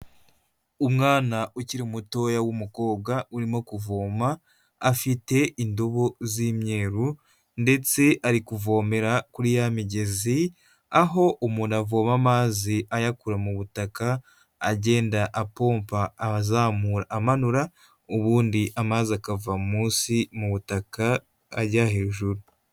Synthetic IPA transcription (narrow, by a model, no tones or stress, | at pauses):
umŋaːnaʔuciɾimuto̞jawumuko̞ːb̚ɡauɾimo̞kuvo̞ːmaː | fite̞indoβo̞ziːmɲe̞ːɾu | nde̞t͡se̞ʔaɾikuvo̞ːme̞ɾakuɾijamiɟe̞zi | aɦo̞ʔumuːnavo̞ːmamaːziʔajakuɾamuβutakaː | ɟe̞ːndaʔapo̞ːmpaːzaːmuːɾaːmanuɾa | uβuːndiʔamaziakavamumuːsimuβutaka̰ː | ɾɟahe̞ːʒuɾu